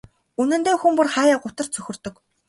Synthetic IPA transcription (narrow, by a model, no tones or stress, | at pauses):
unɘ̆nt̪eːxŭmpɵrχaːjaːkʊt̪ə̆r̥t͡sʰɵxʲɵ̆rt̪ɵ̆k